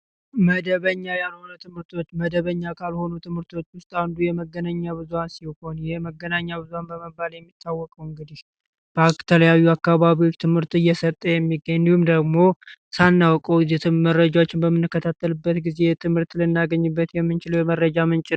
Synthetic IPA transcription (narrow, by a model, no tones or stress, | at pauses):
məd̪əβəɲːajanho̞nət̪ʰɨmhɨɾt̪ʰo̞t͡ʃːməd̪əβəɲːakʰalho̞nut̪ʰɨmhɨɾt̪ʰo̞t͡ʃːwʊst̪ʼawnd̪ujɛməɡːənaɲːaβɨzuhansiho̞njɛməɡːənaɲːaβɨzuhanbəməbːaljɛmːit̪ʰːawːɔkʼəwɨŋɡɨd̪ih | b̥əat̪ʰələjaβijːuakːaβaβiwo̞t͡ʃːt̪ʰɨmhɨɾt̪ɨjːɛsət̪ʼːəjɛmːiɡəɲːihumd̪əɡmo̞sanːawɔkʼəwzet̪ɨmərːəd͡ʒawot͡ʃːɪnbəmːɨnːɨkːət̪ʰat̪ːəlɨbːət̪ɡizet̪ʰɨmhɨɾt̪lɨnːaɡəɲːɨbːət̪jɛmːɨnt͡ʃɪləwjɛmərːəd͡ʒamɨnt͡ʃʼɪn